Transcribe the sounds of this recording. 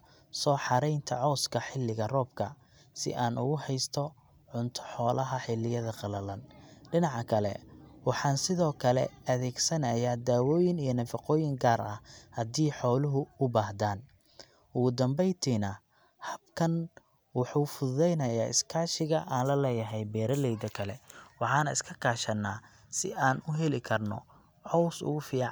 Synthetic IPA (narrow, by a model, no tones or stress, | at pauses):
sɔːħɑɾɛjnt̪ʰɐʕɔːskʰɐħɪlːɪɣɐrɔːb̚kʰɐ̰ | sɪ̰ʔaːnʔʊ̰ɣʊhɛjst̪ʰɔ | ʕʊnt̪ʰɔ̥ħɔːlɐɦɐħɪlɪjɐðɐqɑlɐlɐnɖɪnɑʕɑkʰɐlɛ̰wɑħɑːnsɪðɔːkʰɐlɛ̰ɐðɛːɡsɐnɐjaːd̪aːwɔːjɪnijɞnɐfɑqɔːjɪŋɡaːrɐ̰hhɐd̪iːħɔːlʊɦʊʊbaːhd̪aːn | ʊɣʊd̪ɐmbɛjt̪ʰiːnɐ | hɐb̚kʰɐn | wɑħuːfʊððɛjnɐjaːʔɪ̰skʰaːʃɪɣɐʔaːnlɐlɛːjɐɦɛjbɛːɾɐlɛjd̪ɐkʰɐlɛwɑħɑːnɐɪskʰɐkʰaːʃɐnːaː | sɪ̰ʔaːnʊɦɛlɪkʰɐrnɔ̰ | hɔwsʊ̰ɣʊfiːʕ